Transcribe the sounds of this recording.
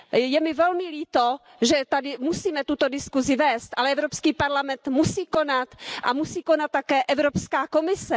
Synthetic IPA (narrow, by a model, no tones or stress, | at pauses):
jɛmɪvɛlmɪliːt̪o | ʒɛt̪adɪmusiːmɛt̪ut̪o̞dɪskuzɪvɛːst̪ʔalɛʔɛvɾopskiːpaɾlamɛnt̪musiːko̞nat̪ʔamusiːko̞nat̪̚ːakɛːʔɛvɾopskaːko̞mɪsɛ